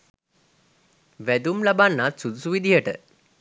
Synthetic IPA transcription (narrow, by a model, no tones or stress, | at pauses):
ʋæd̪umlabanːat̪sud̪usuʋid̪ʱiɦəʈə̰